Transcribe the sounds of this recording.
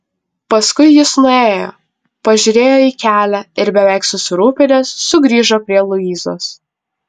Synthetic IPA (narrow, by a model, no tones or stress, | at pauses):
pɐskʊɪjɪsnʊeːjo̰ː | pɐʒʲʊɾʲeːjoːiːkʲæːlʲæɪɾbʲɛʋʲæˑɪksʊsʲɪɾuːpʲɪnʲeːsːʊɡɾʲiːʒoːpʲɾʲiɛlˠʊiːzo̰ːs